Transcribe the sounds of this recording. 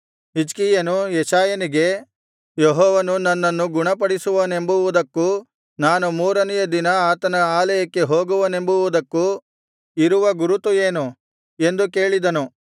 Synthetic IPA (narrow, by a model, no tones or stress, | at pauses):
ɦid͡ʒkiːjɐnujɛʃaːjɐniɡe̞ | jɔɦɔːʋɐnunɐnːɐnːuɡuɳɐpɐɽisuʋɐne̞mbuʋud̪ɐkːu | naːnumuːɾɐnɛjɐd̪inɐaːt̪ɐnɐaːlɐjɐkːe̞ɦo̞ːɡuʋɐne̞mbuʋud̪ɐkːu | iɾuʋɐɡuɾut̪ːujeːnu | e̞nd̪uke̞ːɭid̪ɐnu